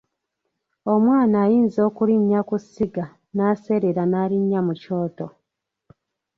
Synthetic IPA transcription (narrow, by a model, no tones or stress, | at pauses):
o̞mwaːnaːjiːnzo̞ːkuliɲːakusiɡa | naːse̞ɾeɾanaːliɲːamuco̞ːto̞